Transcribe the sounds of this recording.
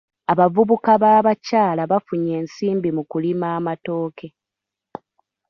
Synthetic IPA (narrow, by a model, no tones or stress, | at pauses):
aβavuβukaβaːβacaːlaβafuɲe̞ːnsiːmbimukulimaːmato̞ːkʰe̞